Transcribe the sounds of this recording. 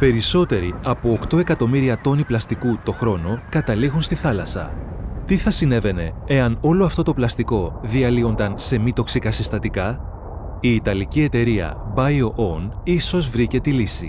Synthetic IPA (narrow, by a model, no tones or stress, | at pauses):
pe̞ɾiso̞t̪e̞ɾiɐpo̞ːkt̪o̞e̞kɐt̪o̞miɾiɐt̪o̞niplɐst̪ikut̪o̞xɾo̞no̞kɐt̪ɐliɣunst̪iθɐlɐsɐ̰t̪iθɐsine̞ve̞ne̞eɐno̞lo̞ɐft̪o̞t̪o̞plɐst̪iko̞ðiɐlio̞nd̪ɐnse̞mit̪o̞ksikɐsist̪ɐt̪ikɐ | iːt̪ɐlicie̞t̪e̞ɾiɐ̰bɐjo̞ʔoniso̞zvɾice̞t̪ilisḭ